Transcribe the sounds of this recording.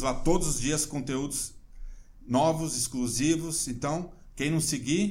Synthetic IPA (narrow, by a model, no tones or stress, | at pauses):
zlat̪od̪ʊzʊzd͡ʒiɐskõnt̪eud̪ʊz | nɔvʊzɪskluzivʊsẽnt̪ɐ̃w̃kẽj̃nɐ̃w̃seɡi